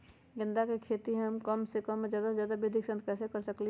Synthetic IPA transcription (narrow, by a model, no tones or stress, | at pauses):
ɡɪ̃nd̪akekʰeːt̪iɦəmkəmsekəmːed͡ʒjaːd̪ad͡ʒjaːd̪abed̪ʱiksə̃nt̪̚kɛsekəɾsəkli